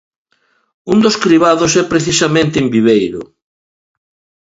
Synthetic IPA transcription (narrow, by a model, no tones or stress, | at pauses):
und̪oskɾiβaðosɛpɾeθisamẽnt̪ɪːmbiβejɾʊ̰